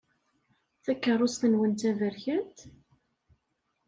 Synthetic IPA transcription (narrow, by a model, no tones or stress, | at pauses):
θækːərˤːʊsθənwənt̪ævəɾçənt̪